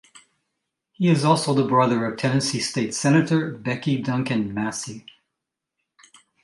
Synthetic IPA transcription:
hiɨzɔlˠsoʊðəbɹʌðə˞ʌv̥tʰɛ̃nɨ̃nsisteɪtsɛnɨɾə˞bɛkidʌ̃ŋkɨ̃nmæsi

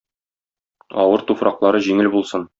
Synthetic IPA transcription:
ɒ̰wɤɾt̪ufɾɑqlˠɑɾɤʑiŋɘlbulˠsɤn

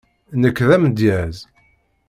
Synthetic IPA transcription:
nəkːðæmd̪jæz

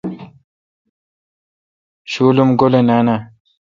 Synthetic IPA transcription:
ɕuːlumɡolenaːna

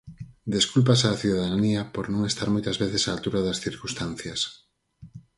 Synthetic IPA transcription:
d̪eskulp̬asaːθiðaðaaniɐpoɾnõŋest̪aɾmojt̪ɐzβeθesaːlt̪uɾɐðɐsθiɾkust̪an̟θjɐs

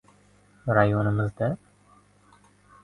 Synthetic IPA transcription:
ɾajonɪmɪzd̪a

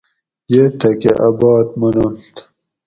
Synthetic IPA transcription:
jet̪ʰɐkeʔɐbɑːt̪̚mɐnont̪

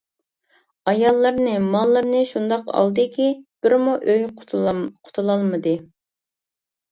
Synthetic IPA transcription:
ɑjɑlˠːəɾnɨmɑlˠːəɾnɨʃund̪ɑqɑ̰lˠd̪ɨkʲib̥ɪɾmuʔøj | qʰʊ̥t̪ʰulˠɑlˠmɨd̪ɨ

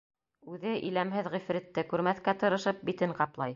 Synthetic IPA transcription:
ʉðɘʔḭlæmɦɘðʁĭfɾɘ̆t̪ːɘkʉɾmæθkæt̪ɤ̆ɾɤ̆ʃɤp̚bit̪ɘɴqɑplˠɑj

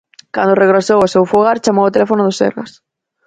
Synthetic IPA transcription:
kand̪ʊreɣɾasowasewfuɣaɾt͡ʃamowat̪elɛfonʊðʊsḛɾɣa̰s

